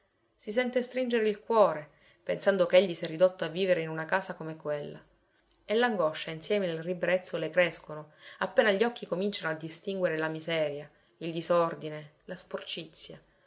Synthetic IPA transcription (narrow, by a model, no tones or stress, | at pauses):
sisɛnt̪est̪ɾind͡ʒeɾeilkwɔːɾe | pensand̪okeeʎːisiɛrːid̪ot̪ːoavːiːveɾeinunakaːsakomekwelːa̰ | elːaŋɡɔʃːainsjɛːmeelribɾɛt̪sːolekɾeskonoapːeːnaʎːɔkːikomint͡ʃanoad̪ːist̪iŋɡweɾelamizɛːɾja | ild̪izɔrd̪inelasport͡ʃit̪sːja